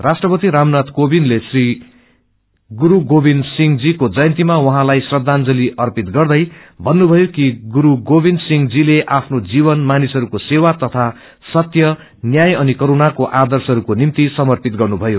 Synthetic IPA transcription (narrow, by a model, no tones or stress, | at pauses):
rasʈrʌpʌt̪iɾamnat̪kobinlesri | ɡuɾuɡobinsiŋd͡zikod͡zʌjʌnt̪imawʌɦãlajsrʌd̪ʱːand͡zʌliʔʌrpit̪ɡʌrd̪ʌj | bʱʌnːubʱʌjokiɡuɾuɡobinsiŋd͡zileʔapʰnod͡ziβʌnmanisɦʌɾukosewat̪ʌt̪ʰa | sʌt̪jʌ | njajʌnikʌɾunakoʔad̪ʌrsɦʌɾukonimt̪isʌmʌrpit̪̚ɡʌrnubʱʌjo